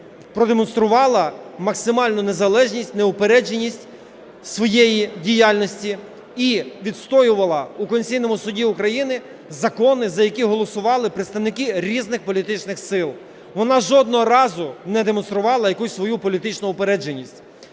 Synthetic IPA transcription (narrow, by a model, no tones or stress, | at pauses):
pɾɔd̪emɔnst̪ɾʊʋɑlˠɐmɐksɪmɑlʲnʊne̞zɐlˠɛʒnʲisʲtʲneʊpeɾɛd͡ʒenʲisʲtʲ | sʋɔjejidʲijɑlʲnɔsʲtʲi | iʋʲit̪st̪ɔjʊʋɐlˠɐukɔnʲsʲijnɔmʊsʊdʲiʊkɾɐjinɪ | zɐkɔnɪzɐjɐkʲiɦɔlˠɔsʊʋɑlˠɪpɾet̪st̪ɐʋnɪkiɾʲiznɪxpɔlʲit̪ɪt͡ʃnɪxsɪlˠ | ʋɔnɑʒɔd̪̚nɔɦɔɾɑzʊnɛd̪emɔnst̪ɾʊʋɑlˠɐjɐkusʲsʋɔjupɔlʲit̪ɪt͡ʃnʊʊpeɾɛd͡ʒenʲisʲtʲ